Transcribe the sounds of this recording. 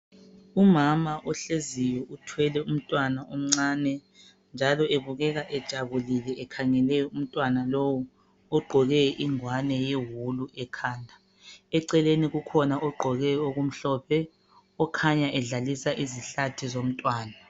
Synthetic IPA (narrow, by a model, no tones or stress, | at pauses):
umamaʔɔɬezijɔʔutʰwɛlɛum̩tʼwanaom̩ŋ͡ǀaːnɛ | nd͡ʒʱalɔeβuɣɛɣaʔɛd̥ʒ̥ʱaβulilɛʔːkʰaŋɛlɛjɔum̩tʼwanalowu | ɔɡ͡ǃʱɔɣɛʔiŋwanɛjeɦuluʔɛkʰaːndʱa | ɛǀɛleniɣukʰɔnaʔɔɡ͡ǃʱɔɣɛoɣum̩ɬɔːpʰɛ | ɔkʰaɲaʔɛɮalisaʔiziɬatʰizom̩tʼwaːna